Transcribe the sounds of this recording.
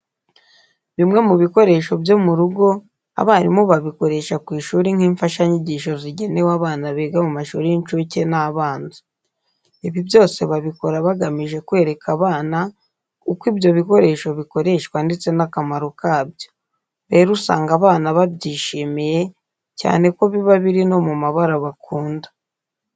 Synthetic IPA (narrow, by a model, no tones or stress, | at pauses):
βimŋe̞muβiko̞ɾe̞ːʃo̞bjo̞muɾuɡo̞ | a̰βaaɾimoβaβiko̞ɾe̞ːʃakwiːʃuːɾiŋ̥iːɱfaʃaɲiɟiːʃo̞ziɟe̞ne̞waːβaːnaβeːɡamumaʃṵːɾijint͡ʃuce̞naːβaːnzi | iβibjo̞ːse̞βaβiko̞ɾaβaɡamiʒe̞kwe̞ːɾe̞kʰaβaːna | ukwibjo̞βiko̞ɾe̞ːʃo̞βiko̞ɾe̞ʃkwandit͡se̞nakamaɾokaːbjo̞ | βe̞ːɾusa̰ːŋɡaβaːnaβabɟiːʃiːmije̞ | ca̰ːne̞ko̞βiβaβiɾino̞mumaβaɾaβakuːndḁ